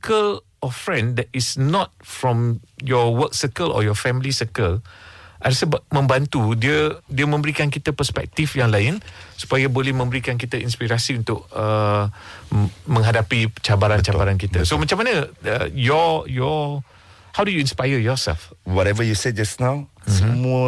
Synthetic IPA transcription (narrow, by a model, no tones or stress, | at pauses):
kəl | ɔfɹɛ̃ndɛt̚isnɔt̚fɹɔ̃mjɔwək̚səkəlɔ̰jɔfɛmlisəkəlʔaɾasəbamə̃mbant̪udiədiəmə̃mbəɾikankit̪apəspɛ̰k̚t̪ifjaŋlaɪnsu̥pajabolɛhmə̃mbəɾikank̬it̪ainspiɾasiunt̪ʊʔ̚ə | mə̃ŋɦadapit͡ʃabaɾant͡ʃabaɾankit̪asomat͡ʃamanəəjɔjɔ | hawdujuĩnspajəjɔsɛ̰lfwɔɾɛvəjused͡ʒasnawsəmuə